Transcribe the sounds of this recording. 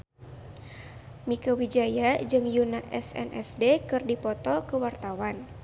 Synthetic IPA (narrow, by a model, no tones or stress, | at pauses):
mikəwid͡ʒajad͡ʒɨŋjunaʔɛsɛ̰nɛ̰sdekɨrdipɔt̪ɔkəwart̪awan